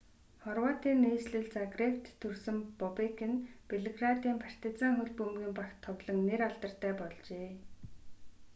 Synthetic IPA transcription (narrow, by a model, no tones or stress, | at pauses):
χɔrwaːt̪iːnːeːsɮɘ̆ɮt͡saɡrewt̪ʰːɵrsɘ̆mpɔpekɘ̆npeɮeɣrat̪iːmpʰar̥ʲt̪ɪ̆t͡saːŋxɵɮpɵmɡiːmpakt̪ʰːɔwɮɞ̆ŋneɾaɮt̪ə̆r̥t̪æːpɔɮt͡ɕeː